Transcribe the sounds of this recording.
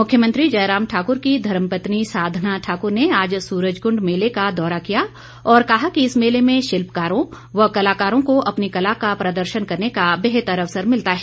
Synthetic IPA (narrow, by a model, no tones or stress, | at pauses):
mʊkʰjəmɐ̃nt̪ɾid͡ʒɐjɾaːmʈʰaːkʊɾkid̪ʱɐɾəmpət̪nisaːd̪ʱnaʈʰaːkʊɾneaːd͡ʒsuːɾəd͡ʒɡʊ̃ɳɖmeːlekad̪ɔːɾakija | ɔːɾkɐɦakiɪsmeːlemẽʃɪlpkaːɾõ | ʋɐɦkɐlaːkaːɾõkoʔɐpnikɐlakapɾɐd̪əɾʃənkɐɾnekabeɦt̪əɾɐʋsəɾmɪlt̪aɦɛː